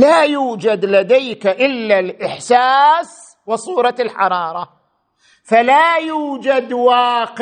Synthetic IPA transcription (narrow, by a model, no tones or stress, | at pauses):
laːjuːd͡ʒad̪lad̪ajkaʔɪlːalʔɪħsaːs | wɪsˤuːɾˤɑlħɑɾˤɑːɾˤɑ | falajuːd͡ʒad̪wɑːq